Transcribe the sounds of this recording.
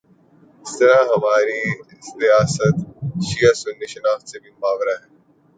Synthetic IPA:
ɪst̪ɐɾaɦɐmaːɾiɪst̪ijaːsət̪ʃiasʊnːiʃɐnaːxt̪sebʱimʊaːʋɾaɦɛː

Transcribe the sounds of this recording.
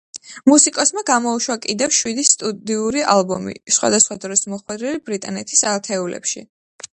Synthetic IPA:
musikʼɔsmaɡamɔuʃwakʼid̪ɛfʃwid̪ist̪ʼud̪iuɾiʔalbɔmḭsχwa̰d̪asχwad̪ɾɔsmɔχwɛd̪ɾɛlibɾit̪ʼanɛt̪ʰisalt̪ʰɛulɛ̰pʃi

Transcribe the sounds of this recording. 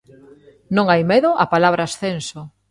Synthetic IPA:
nõŋajmeðʊʔapalaβɾaːsθenso

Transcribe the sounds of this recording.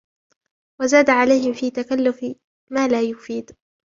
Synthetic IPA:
wazaːd̪aʕalajhɪmfiːt̪akalːʊf | maːlaːjʊfiːd̪

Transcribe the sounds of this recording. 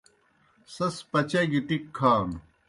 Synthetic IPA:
sɐspɐt͡ɕɐɡiʈikʰːaːn

